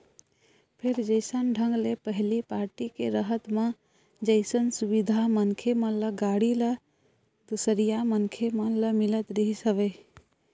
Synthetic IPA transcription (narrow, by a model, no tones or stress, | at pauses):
pʰeɾd͡ʒəɪsənɖʱəŋɡlepəɦlipaɾʈikeɾəɦət̪mã | d͡ʒəɪsənsubid̪ʱamənkʰemə̃ləɡaɽilə | d̪usəɾijamənkʰemə̃ləmilət̪ɾəɦisəʋe